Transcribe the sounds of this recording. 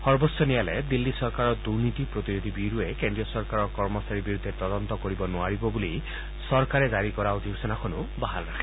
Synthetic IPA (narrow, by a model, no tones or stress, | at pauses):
hɔɹbɔsɔnijaled̪ilːisɔɾkaɾɔd̪uɾnit̪ipɾot̪iɾod̪ʱibiɾuekend̪ɾiɔsɔɾkaɾɔkɔɹmɔsaɾibiɾud̪ʱːet̪ɔd̪ɔnt̪ɔkoɾibɔnuaɹibɔbuli | sɔɾkaɾed͡ʒaɾikɔɾaod͡ʒibsɔnakʰɔnubaɦalɾakʰi̥